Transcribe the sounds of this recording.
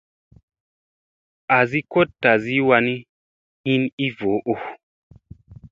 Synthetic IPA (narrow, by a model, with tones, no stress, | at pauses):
a˨zi˦ko˦tːa˨zi˦wa˧ni˦ | hi˦ni˦vo˨˦ʔo˨